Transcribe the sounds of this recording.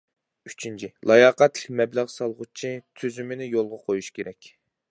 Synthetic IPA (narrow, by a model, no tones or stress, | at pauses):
yt͡ʃʰint͡ʃʰilˠɑjɑːqæt̪lɪk̚ʲmɛblæʁsɑlˠʁʊt͡ʃʰit̪ʰyzymɪnɪjolˠʁɑqʰojuʃkʲʰeɾɛkʲ